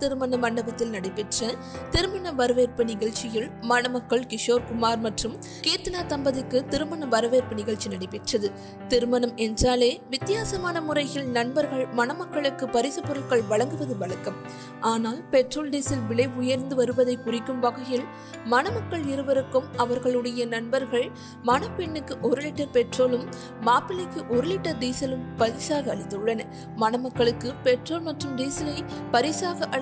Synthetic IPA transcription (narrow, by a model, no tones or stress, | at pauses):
t̪ɪɾɯmɐnɐmɐɳɖɐbɐt̪ːɪlnɐɽɐɪpɛʈrɐ | t̪ɪɾɯmɐnɐʋɐɾɯʋeːɾpɯnɪɣɐɭt͡ʃɪjɪlmɐnɐmɐkːɐɭkɪʂoːɾkʊmaːɾmɐʈrɯm | keːt̪ːɐnaːt̪ɐmbɐðɯkːɯt̪ɪɾɯmɐnɐʋɐɾɯʋeːɾpɯnɪɣɐɭt͡ʃːinɐɽɐɪpːɛʈrɐðɯ | t̪ɪɾɯmɐnɐmɛndraːleːʋɪt̪ːɪjaːsɐmaːnɐmʊrɐɪɣɪlnɐɳbɐɾɣɐɭmɐnɐmɐkːɐɭɯkːɯpɐɾɪsɯpːɔɾɐlkɐɭʋɐɭɐŋɡɯʋɐðɯʋɐɭɐkːɐm | ʔaːnaːlpɛʈroːlɖiːsɪlʋɪɭɐɪʊjɐɾnd̪ɯʋɐɾɯʋɐðɐɪkʊrɪkːɯmpɐɣɐjɪl | mɐnɐmɐkːɐɭɪɾɯʋɐɾɯkːɯmɐʋɐɾɣɐɭɯɽɐjɐnɐɳbɐɾɣɐɭ | mɐnɐpɛɳːɯkːɯʔɔɾɯlɪʈːɐpɛʈroːlɯmː | aːpɪlɪkːɯʔɔɾɯlɪʈːɐd̪iːsɐlɯmpɐɾɪsaːɣɐɐɭɪt̪ːɯɯɭːɐnɐ | mɐnɐmɐkːɐɭɯkːɯpɛʈroːlmɐʈrɯmd̪iːsɐlɐɪpɐɾɪsaːɣɐʔɐ